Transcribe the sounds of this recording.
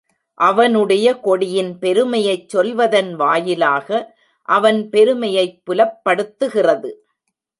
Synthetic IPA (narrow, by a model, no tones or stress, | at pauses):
ʔɐʋɐnɯɽɐjɐkɔɽɪjɪnpɛɾɯmɐjɐɪt͡ʃsɔlʋɐðɐnʋaːjɪlaːɣɐ | ʔɐʋɐnpɛɾɯmɐjɐɪpːʊlɐpːɐɽɯt̪ːɯɣɪrɐðɯ